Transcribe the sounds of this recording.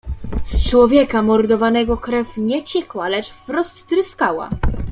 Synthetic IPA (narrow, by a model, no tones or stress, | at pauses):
st͡ʂwɔvʲjɛkamɔɾd̪ɔvanɛɡɔkɾɛfɲɛt͡ɕɛkwalɛt͡ʂfpɾɔst̪ːɾɘskawa̰